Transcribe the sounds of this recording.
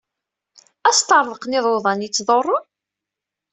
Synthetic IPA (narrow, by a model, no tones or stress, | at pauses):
æst̪əɾˤðˤəqnɪðˤoðˤɑnjit͡sːðˤorˤːʊ